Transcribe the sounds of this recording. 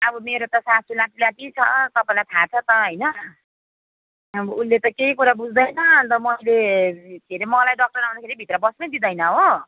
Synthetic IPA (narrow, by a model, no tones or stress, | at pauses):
ʌbʌmeɾot̪ʌsasulaʈilaʈit͡sʰʌt̪ʌpaĩlajt̪ʰat͡sʰʌt̪ʌɦʌjnʌ | bunːet̪ʌkeɦikuɾabud͡zʱd̪ʌjnʌʌnt̪ʌmʌjlekʰeɾimʌlajɖʌk̚ʈʌɾaw̃d̪akʰeɾibʱit̪rʌbʌsnʌjd̪id̪ʌjnʌɦo